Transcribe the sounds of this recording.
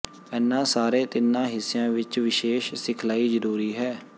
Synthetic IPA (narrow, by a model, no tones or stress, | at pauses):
ɛːnːãːsaːɾeːt̪ɪnːãːɦɪsːɪjãːʋɪt͡ʃʋɪʃeːʃsɪkʰlaːiːzəɾuːɾiːɦɛː